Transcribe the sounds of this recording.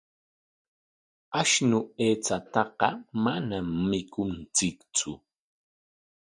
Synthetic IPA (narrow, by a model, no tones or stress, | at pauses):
aʃnʊeːt͡sat̪ɑqɑmanamːɪkʊnt͡sɪkt͡sʊ